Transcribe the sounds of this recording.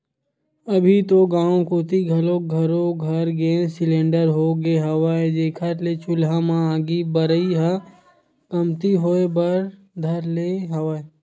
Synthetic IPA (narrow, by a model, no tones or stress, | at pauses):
ɐbʱit̪oɡãːõkoːt̪iɡʱɐlõɡʱɐɾoɡʱɐɾɡesɪlẽːɳɖəɾɦoɡeɦɐʋaːed͡ʒeːkʰət̪let͡ʃʊlɦamãaːɡibəɾəiɦa | kɐmt̪iɦoːebɐɾ | d̪ʱɐɾleɦɐʋaːe